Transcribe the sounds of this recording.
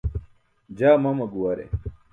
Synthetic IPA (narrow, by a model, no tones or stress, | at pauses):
d͡ʑaːmɐmɐɡuwɐɾḛ